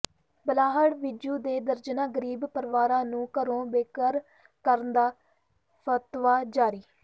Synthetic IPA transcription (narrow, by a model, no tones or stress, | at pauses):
bəlaːɦəɽʋɪd͡ʒuːd̪eːd̪əɾd͡ʒnãːɡəɾiːbpəɾʋaːɾãːnũːkəɾõːbeːkəɾ | kəɾnd̪aː | pʰət̪ʋaːd͡ʒaːɾiː